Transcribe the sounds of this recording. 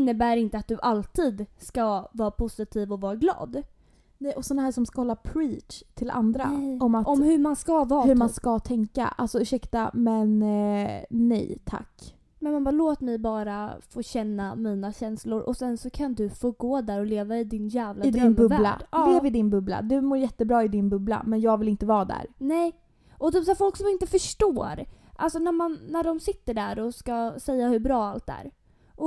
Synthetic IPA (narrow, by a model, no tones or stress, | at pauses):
nːəbæːɾɪnt̪əat̪̚d̪ɵʔalt̪ʰiːd̪skavɑːɾapʰʊsɪt̪ʰiːvɔvɑːɾaɡlɑ̰ːd̪ | nɛjɔsɔnahæːʂɔmskahɔlːapʰɾiːtt̪ʰɪla̰nd̪ɾa̰ɔmat̪ɔmhɵmanskavɑːhɵɾmanskat̪ʰɛŋka̰ʔa̰lsɔʏʂɛkt̪amɛn | ɛ̰jt̪ʰa̰kː | mɛnmanbɑːɾloːt̪mɛjbɑːɾafoːɕɛnːamiːnaɕɛnslʊɾʔɔ̰sɛnsɔkʰand̪ɵfoːɡoːd̪æːɾɔleːvaɪd̪ɪnjæːvladɪd̪ɾœnbɵvla̰ɖd̪ːɪɛvɪd̪ɪnbɵbla̰d̪ɵmoːɾjɛt̪ːəbɾɑːɪd̪ɪnbɵbla̰mɛnjɑːɡvɪlɪnt̪əvɑːd̪æ̰ɾnɛ | ʔɔt̪ʰyːpsæːfɔlksɔmɪnt̪əfœʂʈoːɾʔalsɔnæɾmanːæɖɔmsɪt̪ːəɖæɾɔskasɛjːahɵbɾɑːalt̪æ̰ːɾ | ʔɔ